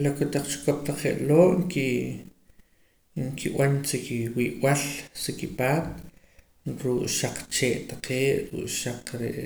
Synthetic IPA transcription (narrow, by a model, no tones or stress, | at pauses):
lakot̪aq͡χt͡ʃu̥kop̚t̪aq͡χeʔloːʔŋki | ŋkʰiɓant͡sikiwiːʔwalsikipaːt̪̚ | ɾuʔʃaq͡χt͡ʃeːʔt̪aqʰeːʔɾṵʔʃaq͡χqɾḛʔ